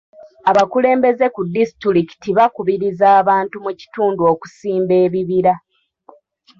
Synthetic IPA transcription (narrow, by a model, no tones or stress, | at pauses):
aβakule̞ːmbe̞ze̞kudːistɾiki̥tiβakuβiɾizaːβaːntumuci̥tuːnduo̞ːku̥siːmbe̞ːβiβiɾa